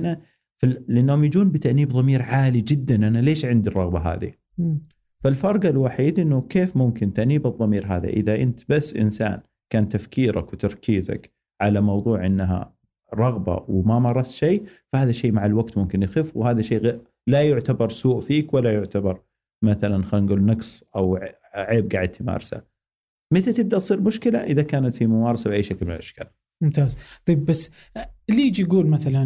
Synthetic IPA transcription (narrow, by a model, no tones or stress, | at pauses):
na | falʔɪnːhʊmjd͡ʒuːnbɪt̪aʔniːbðˤɑmiːɾʕaːlid͡ʒɪd̪ːanʔanaleːʃʕɪnd̪irˤːɑɣbaɦa̰ːðḭ | falfɑɾˤɡalwaħiːd̪ʔɪnːʊkeːfmʊmkɪnt̪aʔniːbɨðˤːɑmiːɾɦaːða̰ʔɪðaʔɪnt̪basːʔɪ̰nsa̰ːn | kaːnt̪afkiːɾa̰kwɪt̪ɑɾˤkʰiːza̰k | ʕalamɑwðˤuːʕʔɪnːɦa̰ | ɾˤɑɣba̰wmamɑɾˤːɑsʃeːfahaːðaʃeːmaʕalwaɡt̪mʊmkɪnjɪxɪfwhaːðaʃeːɣ | lajʊʕt̪abɑɾˤsuːʔfiːkwalːajʊʕt̪abɑɾˤ | maθalanxaːnɡuːlnaɡsʔawʕ | ʕeːb̚ɡaʕɪd̪̚t̪ʰɪma̰ːɾˤsa̰ | mɪt̪at̪ɪb̚d̪aʔt̪sˤiːɾmʊʃkɪlaʔɪðakaːnat̪fimʊmɑːɾˤɑsawʔaːjʃaklmɪnɪlʔaʃka̰ːl | mʊmt̪aːzt̪ˤɑjbbasː | liːd͡ʒjɡuːlmaθalan